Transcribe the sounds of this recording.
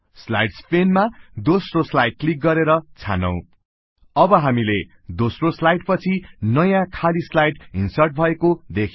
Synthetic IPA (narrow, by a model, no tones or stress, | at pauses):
sla̰jɖspʰenmad̪osroslajɖ̚klik̚ɡʌɾeɾʌt͡sʰa̰nʌ̰̃w̃ | ʌbʌɦamile | d̪osroslajɖpʌt͡sʰinʌjãkʰalislajɖɦinsʌrʈ̚bʱʌekod̪ekʰ